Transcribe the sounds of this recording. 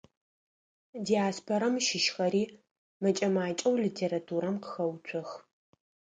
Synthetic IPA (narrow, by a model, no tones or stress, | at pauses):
dijaːspʰoɾɐmʃɪʃxɐɾiː | mɐt͡ʃʼɐmaːt͡ʃʼɐwlitʰeːɾatʰuːɾɐmqə̥xɐwt͡ʃʷʰɔx